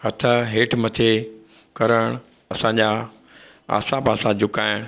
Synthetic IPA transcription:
hɐt̪ʰəɦeːʈʰmɐt̪ʰe | kɐɾəɽ̃ | ɐsãɲd͡ʑa | a̰ːsãpaːsãd͡ʑʊkaːɪɽ̃

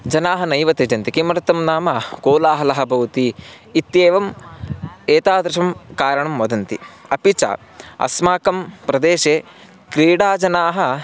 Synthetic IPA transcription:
d͡ʒɐnaːɦɐnɐjʋɐt̪ed͡ʒɐnt̪ikimɐɾɐt̪ɐmnaːmɐkoːlaːɦɐlɐɦɐ̆bʱɐwt̪iː | t̪jeːʋɐm | eːt̪aːd̪ɾɐʃɐmkaːɾɐɳɐmːɐd̪ʱɐnt̪iɐ̰pit͡ʃa̰ | ɐ̰smaːkɐmpɾɐd̪eːʃeː | kɾiːɽaːd͡ʒɐnaːɦɐ̆

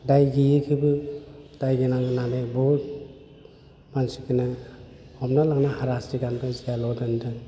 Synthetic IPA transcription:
dajɡijɯkʰibɯd̥ajɡinaŋɯnanebɔhut̚ | mansikinɯ | ɔmnalaŋnahaɾastiɡanbazijalɔdɯndɯŋ

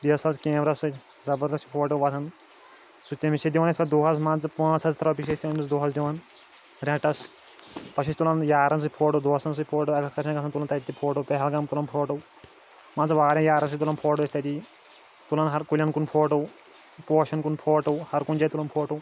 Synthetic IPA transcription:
d̪iɐsɐlt͡skẽːmɾɐsɨ | zɐbɐɾd̪ɐʃt͡ʃʰi̥pʰoːʈ̬ɐwʋɐt̪ʰɐn | sut̪ʲːɐmisɐd̪ʲiʋaːnɐsʲkʰɐd̪uːɦɐs̬mãːnt͡sɨpãːt͡sʰɐst̪ʰɐɾɐwp̬iʃ̬esʲt̪ʲinusd̪oːɦɐs̬d̪ʲiʋan | ɾɛ̃ʈɐs | pɐʃʰɐsʲt̪ulɐnjaːɾɐns̬ɨpʰoːʈowd̪oːɐsɐns̬ɨpʰoːʈowɐkʰɐkɐɾʃʰʲɐ̃nɡɐt̪ʰɐnt̪ulɐnt̪ɐt̪it̪ːipʰoːʈowpɛɦɛlɡɐmt̪ulɐnpʰoːʈow | mãːnt͡sɨʋaːɾʲɐ̃jaːɾɐns̬ɨt̪ulɐnpʰoːʈ̬owjɐsʰʲt̪ɐt̪i | t̪ulɐnɦɐɾkulʲɐnkunpʰoːʈow | poːʃɐnkunpʰoːʈɐwhɐɾkund͡ʒɐt̪ulɐnpʰoːʈow

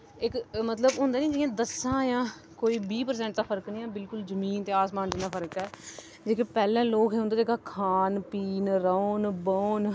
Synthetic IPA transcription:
ɪkmət̪ləbɦʊ̃ːnd̪aːnĩːd͡ʒeãːd̪əsãːjãː | koːiːbiːpəɾs̬ɛ̃ːɳʈ̚d̪aːpʰəɾəknĩːɛ̃ːbɪlkʊlzəmiːnt̪eːaːsmaːnd͡ʒɪnaːpʰəɾəkɛː | d͡ʒeːkeːpɛːlɛ̃ːloːkɦeːõnd̪aːd͡ʒeːkaːkʰaːnpiːnɾəoːnbəoːn

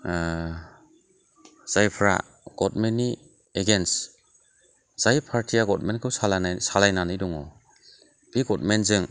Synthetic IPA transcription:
z̥ajpʰɾa̰ | ɡ̥ɔt̚menːi | eɡens | z̥ajpʰaɾtʰijaɡɔt̚menkʰɯwsalansalajnanɯjdɔŋɔ | b̥iɡɔt̚menzɯŋ

